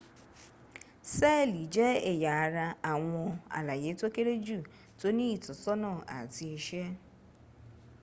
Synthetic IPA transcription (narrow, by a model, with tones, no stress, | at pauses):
se˦˨li˨d͡ʒe˦e˨ja˨a˨ɾa˦a˨ŋʷʊ˦a̰˨la˨je˨˦to˦ke˦ɾe˦d͡ʒu˦˨ | to˦ni˦i˨tʊ˨sɔ˦nɔ˦˨a̰˨ti˨˦e˨ʃe˦